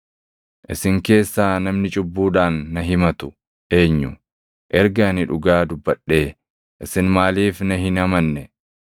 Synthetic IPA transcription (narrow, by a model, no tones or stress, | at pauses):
ʔɪsɪŋke̞ːsːaːnɐmnɪt͡ʃʼʊbːuːᶑaːnːɐɦɪmɐt̪ʊ̥ | ʔe̞ːɲːʊ | ʔɛɾɡɐnɪᶑʊɡaːd̪ʊbːɐɗːe̞ː | ʔɪsɪnmaːliːfnɐɦɪnɐmɐnːɛ